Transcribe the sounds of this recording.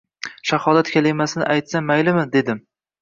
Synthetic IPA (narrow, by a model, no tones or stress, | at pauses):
ʃahɒlat̪kʲʰalɪjmasɪnɪ̰ʔajt̪samːajlɪmɪd̪e̞d̪ɪm